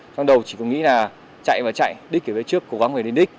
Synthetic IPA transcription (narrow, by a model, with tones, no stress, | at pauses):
t͡ɕɔ˧ŋ͡mɗə˨˩wt͡ɕi̥˧˩kʊ˧˥ŋ͡mŋḭ˧˥laː˨˩ | t͡ɕa̰˧˨jvaː˨˩t͡ɕa̰˧˨jɗi̟˦˥ki˧˩vəː˨˦jt͡ɕɨ˦˥əkːo˨˧˥ɣa˨˦ŋmve˨˩ɗe˧nɗï˦˥k̟̚